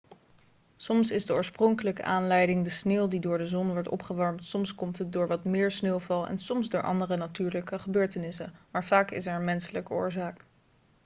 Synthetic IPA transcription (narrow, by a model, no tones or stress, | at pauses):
sɔmsɪzdəʊːɹsprɔŋkələkə̰ʔaːnlɛjdɪŋdəsneːlˠdidʊːɹdəzɔnʋɔɹtɔ̰pχəʋɑɹmtsɔmskɔmtɦət̚dʊːɹʋɑtmɪːɹsneːwˠvɑlˠɛ̰nsɔmszdʊːɹʔɑ̰ndərənatyːɹləkəχəbøːɹtənɪsə̰maːɹvaːkɪ̰s̬ɛɹənmɛnsələkəʊ̰ːɹzaːk